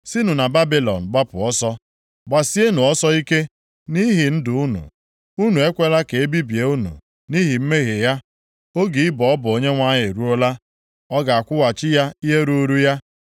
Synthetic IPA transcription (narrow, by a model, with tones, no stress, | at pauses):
si˦nu˨na˨ba˦bi˦lɔ̰˨n̩˨ɡ͡ba˦pʊ˨ɔ˦sɔ˦ | ɡ͡ba˨si˦e˦nu˨ɔ˦sɔ˦i˦ke˦ | ni˦ɦi˨n̩˦dʊ˨u˦nṵ˨ | u˦nu˨e˦kʷe˦la˦ke˨e˦bi˦bje˨u˦nṵ˨ | ni˦ɦi˨m̩˦me˦ɣe˨ja˦ | o˦ɡi˨ɪ˦bɔ˨ɔ˦bʊ˨o˨ɲe˦ŋʷa˦ɲɪ˨ɾu˦o˦la˦ | ɔ˦ɡa˨a˨kʷʊ˦wa˨t͡ʃɪ˦ja˦i˦ɦe˦ɾu˦ɾu˦ja˦